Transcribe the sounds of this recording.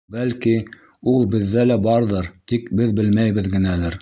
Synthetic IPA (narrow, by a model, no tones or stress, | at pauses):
bælki | ulˠbɘ̆ðːælæbɑɾðɤɾt̪ikbɘðbɘlmæjβɘðɡɘ̆nælɘɾ